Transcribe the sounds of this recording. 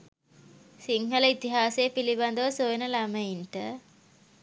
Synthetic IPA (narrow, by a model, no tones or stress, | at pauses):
siŋɦələit̪iɦaːsejpiliband̪əʋəsojɐnəlaməinʈə